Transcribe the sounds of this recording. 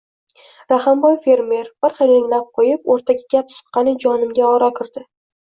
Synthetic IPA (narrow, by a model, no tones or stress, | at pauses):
ɾahambɒjfe̞ɾme̞ɾb̥ɪɾχɑɾɪŋlap̚qʰojɪpoɾt̪ʰaɡʲaɡʲapsʊ̥qːɑnɪd͡ʒɒnɪmɡʲaɒɾakʲʰɪɾd̪ɪ